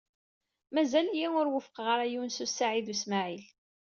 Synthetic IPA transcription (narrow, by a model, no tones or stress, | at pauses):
mæzæljiŋʊɾwəfə̥qʁəɾˤæjuwnsusːaʕiðusmaʕil